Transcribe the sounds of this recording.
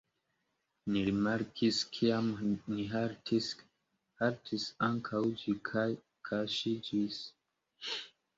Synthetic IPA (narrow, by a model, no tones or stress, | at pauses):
niɾimaɾkʰiskʰiamniɦaɾtis | haɾtʰisaŋkʰawd͡ʒikʰaj | kʰaʃid͡ʒis